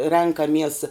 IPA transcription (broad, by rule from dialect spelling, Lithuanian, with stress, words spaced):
ˈrʲɛŋkɐmʲiɛs